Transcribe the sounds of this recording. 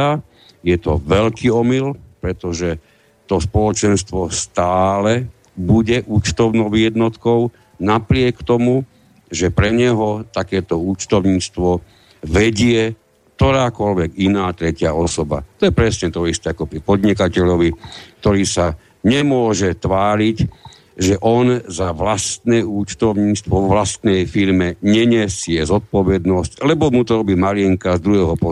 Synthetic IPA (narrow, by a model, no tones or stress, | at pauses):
a | jɛt̪ɔ̰ʋɛʎkʰiːɔmilpɾɛt̪ɔʒɛ | t̪ɔspɔlɔt͡ʃɛnst̪ʋɔst̪aːlɛ | buɟɛʔuːt͡ʃt̪ɔʊnɔʊɪɛd̪nɔt̪kɔʊ | napɾɪɛkt̪ɔmu | ʒɛpɾɛɲɛɦɔt̪akɛːt̪ɔuːt͡ʃt̪ɔʊɲiːt͡st̪ʋɔ | ʋɛɟɪɛ | kt̪ɔɾaːkɔʎʋɛɡinaːt̪ɾɛcɪaɔsɔba̰t̪ɔjɛpɾɛsɲɛt̪ɔist̪ɛakɔpɾipɔd̪ɲikacɛʎɔʋik̚t̪ɔɾiːsa | ɲɛmʊɔʒɛt̪ʋaːɾic | ʒɛʔɔnzaʋlast̪nɛːuːt͡ʃt̪ɔʊɲiːst̪ʋɔɔʋlast̪nɛjfiɾmɛɲɛɲɛsɪɛzɔt̪̚pɔʋɛd̪nɔsclɛbɔmut̪ɔɾɔbiːmaɾɪɛŋkazd̪ɾuɦɛːɦɔpɔ